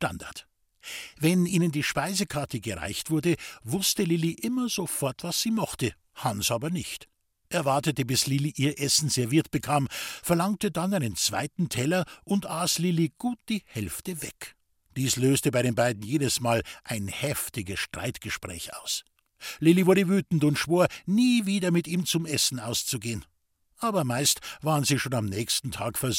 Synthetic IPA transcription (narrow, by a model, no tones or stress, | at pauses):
tanda̰ɐt | vɛnʔiːnəndiːʃpaɪzəkʰaɐtəɡəʁa̰ɪçtv̥ʊɐdəvʊstəlɪliʔɪmɐzofɔɐtv̥asz̥iːmɔχtə | hansʔaːbɐnɪçt | ʔɛɐvaɐtətəbɪslɪliʔiːɐʔɛsn̩z̥ɛɐviːɐtb̥əkʰaːmfɛɐlaŋtədanaɪnənt͡sv̥a̰ɪtn̩tʰɛlɐʔʊntʔaːslɪliɡ̥uːt̚d̥iːhɛlftəvɛk | d̥iːsløːstəbaɪɾeːnbaɪdn̩jeːdəsmaːlʔaɪnhɛftɪɡəsʃtʁ̥aɪtɡ̥əʃpʁ̥ɛ̰ːça̰ʊs | lɪlivʊɐdəvyːtn̩tʊntʃv̥oːɐniːviːdɐmɪtiːmt͡sʊmʔɛsn̩aʊst͡suɡeːən | ʔaːbɐmaɪstvaːʁənziːʃoːnamnɛːçstn̩tʰaːkfɛɐ